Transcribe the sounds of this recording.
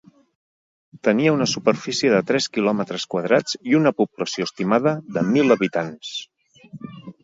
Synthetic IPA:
t̪əniəunəsupərfisiəðət̪ɾɛskilɔmət̪ɾəskwəð̞ɾad͡ziunəpupləsioəst̪imaðəðəmilˠəβit̪ans

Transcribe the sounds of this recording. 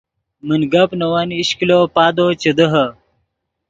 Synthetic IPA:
mənɡɐpnɐwaniɕkilopaːd̪ot͡ɕɐd̪əɦɐ

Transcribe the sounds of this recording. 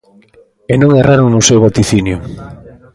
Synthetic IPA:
enõŋerʔaɾoŋnʊsewβat̪iθinjʊ

